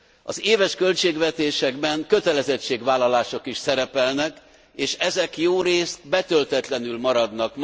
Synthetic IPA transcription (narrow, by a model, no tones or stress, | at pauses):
ɒ̰zeːvɛʃkø̞lt͡ʃeːɡʋɛt̪eːʃɛɡbɛŋkø̞t̪ɛlɛzɛt͡ʃːeːɡʋaːlːɒlaːʃo̞kiʃsɛɾɛpɛlnɛk | eːʃɛzɛkjoːɾeːst̪bɛt̪ølt̪ɛt̪lɛnylmɒɾɒd̪nɒkm